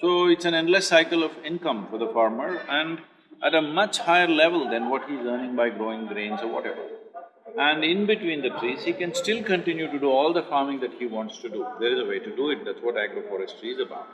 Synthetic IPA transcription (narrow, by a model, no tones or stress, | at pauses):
soːɪʈsæ̃nɛ̃nləsːaɪkəlɔʋɪ̃nkʌ̃mfɔɾd̪əfaːɾməɾæ̃ɳɖ | ʔæʈəmʌt͡ʃhaɪəɾlɛʋəld̪ɛ̃nʋɔʈhiɪzəːnɪ̃ŋbaɪɡɾoːɪ̃ŋɡɾẽːnzɔɾʋɔ̰ʈɛʋə̰ɾ | æ̃ɳɖɪ̃nbɪʈwĩːnd̪əʈʰɾiːzhiːkɛ̃nsʈɪlkə̃nʈɪ̃njuʈuɖuɔːld̪əfaːɾmɪ̃ŋd̪æʈ̚hiʋɔ̃ːɳʈsʈuɖud̪eɾɪzəʋeːʈuɖuɪʈ̚d̪æʈsʋɔʈæɡɾofɔːɾɛsʈɾiɪzəba̰ʊʈ̚